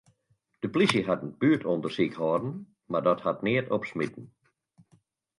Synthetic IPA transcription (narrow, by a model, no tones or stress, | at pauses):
d̥əplisəɦatnəb̥yːtʰɔndərsikhɔːdn̩ | mardɔthatnɪətʰɔpsmitn̩